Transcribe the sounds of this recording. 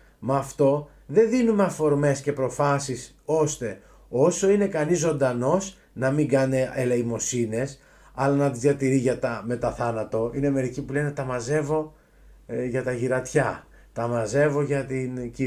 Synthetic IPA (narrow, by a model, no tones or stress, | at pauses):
mɐːft̪o̞ | ðe̞nðinume̞ɐfo̞ɾme̞sce̞pɾo̞fɐsis | o̞st̪e̞ | o̞so̞ine̞kɐnizːo̞nd̪ɐno̞s | nɐmiŋɡɐne̞eleimo̞sine̞s | ɐlɐnɐt̪izðjɐt̪iɾiʝɐt̪ɐme̞t̪ɐθɐnɐt̪o̞ineme̞ɾicipule̞ne̞t̪ɐmɐze̞vo̞ | ʝɐt̪ɐʝiɾɐt̪çɐ | t̪ɐmɐze̞vo̞ʝɐt̪inci